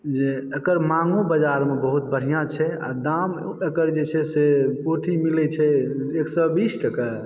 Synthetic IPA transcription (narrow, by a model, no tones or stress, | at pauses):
d͡ʒeekəɾmaŋɡubəd͡ʒaɾmebəɦut̪̚bəɽ̤ijãt͡ʃʰɛa̰d̪am | ekəɾd͡ʒet͡ʃʰɛsepoʈʰimilɛt͡ʃʰɛeksɔbisʈəkə